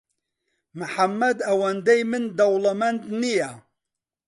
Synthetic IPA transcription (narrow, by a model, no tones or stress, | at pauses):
mɨħamːɐd̪ɐwand̪ɛjmɨnd̪ɐwlamɛnd̪nija